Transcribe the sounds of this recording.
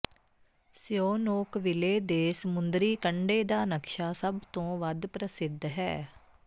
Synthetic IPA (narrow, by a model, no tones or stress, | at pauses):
sɪjoːnoːkʋɪleːd̪eːsəmʊnd̪ɾiːkəɳɖeːd̪aːnəkʃaːsəbt̪õːʋəd̪pɾəsɪd̪ɦɛ̰ː